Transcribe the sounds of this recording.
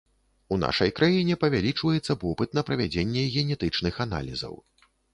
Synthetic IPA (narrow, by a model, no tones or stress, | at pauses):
una̰ʂɐjkɾʔajinʲɛpɐvʲalʲit͡ʂvɐjɛt̪sːɐvɔpɨt̪̚nɐpɾɐvʲad͡zʲenʲːɛɣʲɛnʲɛt̪ɨt͡ʂnɨxana̰lʲizɐ̰w